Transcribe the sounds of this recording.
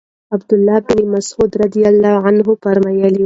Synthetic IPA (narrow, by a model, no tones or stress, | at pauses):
abd̪ʊlːɑbɪnimasʕuːd̪ɾad̪ijalːɑʕanɦʊpaɾmajali